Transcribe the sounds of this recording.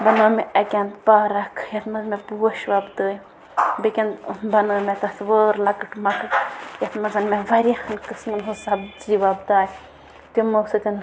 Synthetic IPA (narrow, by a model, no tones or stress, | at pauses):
bɐnəːmʲeɐkʲɐnt̪paːɾɐkʰjɐt̪mɐzmepuːɐʃʋɐbd̪əːj | bekʲɐnt̪bɐnəːmʲet̪ɐsʋəːɾlɐkɨʈmɐkɨjɐt̪mɐzɐnmeʋɐɾʲixɐnkɨsmɐnɦusɐbd͡ʒiʋabd̪aːj | t̪umɐsɐt̪ʲɐn